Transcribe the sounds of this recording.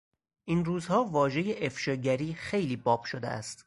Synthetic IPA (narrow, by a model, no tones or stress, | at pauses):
ʔiːnruːzhɒːvɒːʒe̞je̞ʔefʃɒːɟæɾiːxe̞jliːbɒːb̥ʃod̪ḛʔæ̰st̪